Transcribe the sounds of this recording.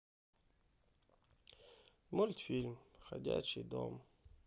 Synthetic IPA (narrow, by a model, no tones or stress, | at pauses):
mulʲt̪fʲilʲmxɐ̰dʲa̰t͡ɕid̪o̰m